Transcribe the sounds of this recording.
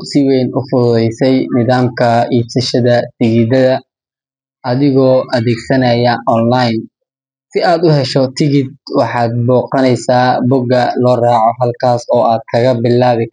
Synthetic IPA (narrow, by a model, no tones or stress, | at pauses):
sɪwɛjnʊfʊðɛjsɛjnɪðaːmkʰɐiːbsɐʃɐðɐsɪɣiːd̪ɐðɐ | ʔɐðɪɣɔːʔɐðɛːɡsɐnɐjɐʔɔnlajn | sɪaːd̪ʊɦɛʃɔt̪ʰɪɣɪd̪̚wɑħɑːd̪̚bɔːqɐnɛjsaːbʊɡɐlɔːraːʕɔɦɐlkʰaːsɔːʔaːd̪̚kʰɐɣɐbɪlaːβɪ